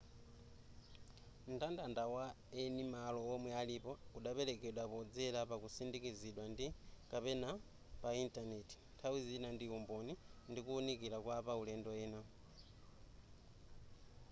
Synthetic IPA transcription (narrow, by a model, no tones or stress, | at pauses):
m̩tandandawa | enimalɔːmwɛalipɔuɗapɛlɛkɛɗwapɔd͡zɛlapakusindikiziɗwandikapɛna | paintʼanetʰi̥ntʰawizinandiumbonindikuːnikilakwapaulɛndɔɛːna